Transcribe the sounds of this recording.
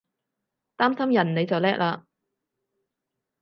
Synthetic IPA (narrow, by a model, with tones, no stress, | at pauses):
t̪aː˥msɐ˥mjɐ˨˩nne˨˧jt͡sɐ˨wlɛː˥k̚laː˧